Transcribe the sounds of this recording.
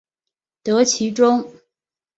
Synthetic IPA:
t̪ɤ˧˥t͡ɕʰi˧˥ʈ͡ʂʊ˥ŋ

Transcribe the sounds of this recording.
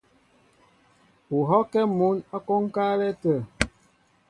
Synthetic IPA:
u˨ɦɔ˦kɛ˦mu˨˦na˦ko˦ŋ˦ka˦lɛ˦tə˨

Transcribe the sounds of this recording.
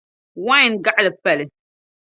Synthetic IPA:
wã˦jnɡa˦ʔlə˨pɛ˨lɪ˨

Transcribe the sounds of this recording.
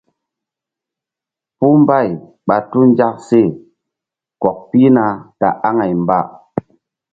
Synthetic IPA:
pu˦mba˦˨j | ɓa˨tu˦n˦d͡ʒa˦k̚se˦˨ | kɔ˨k̚pi˦na˨ta̰˨ʔa˦ŋa˨jmba˦

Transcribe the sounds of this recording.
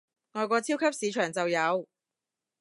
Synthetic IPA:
ŋɔː˨˧jkɔː˧t͡sʰiː˥wkʰɐ˥p̚siː˨˧t͡ʃʰœː˨˩ŋt͡sɐ˨wjɐ˨˧w

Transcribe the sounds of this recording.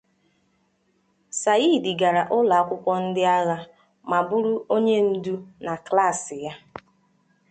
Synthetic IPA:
sa˨i˦˨dɪ˨ɡa˨ɾa˨ʔʊ˦la˨a˦kʷʊ˦kʷɔ˦n̩˦dɪ˦a˦ɣa˦ | ma˨bu˦ɾu˦o˦ɲe˦n̩˦du˦na˨kla˦˨sɪ˨ja˦

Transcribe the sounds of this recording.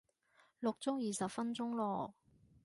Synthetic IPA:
lʊ˨k̚t͡sʊ˥ŋjiː˨sɐ˨pfɐ˥nt͡sʊ˥ŋlɔː˨˩

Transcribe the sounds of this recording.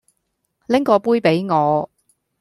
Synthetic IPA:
lɪ˥ŋkɔː˨˧puː˥jpe˨˥jŋɔː˨˧

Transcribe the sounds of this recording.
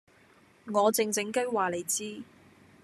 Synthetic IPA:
ŋɔː˨˧t͡sɪ˧ŋt͡sɪ˨˥ŋkɐ˥jwaː˨˩le˨˩jt͡siː˥

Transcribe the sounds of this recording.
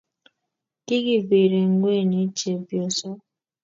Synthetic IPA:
ki˦ɡi˨bi˨ɾe˨ŋ̩˨ɡʷe˦˨ni˨˦t͡ʃe˨bjo˨sɔ˦

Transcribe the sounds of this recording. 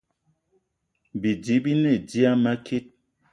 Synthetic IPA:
bi˨di˨˦bi˦nɛ˦˨di˦a˦ma˦kʰi˦t̚

